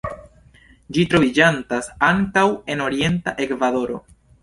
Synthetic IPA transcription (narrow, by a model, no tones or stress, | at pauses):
d͡ʒitɾo̞vid͡ʒantasaŋkawe̞no̞ɾie̞ntaʔe̞kvado̞ɾo̞̰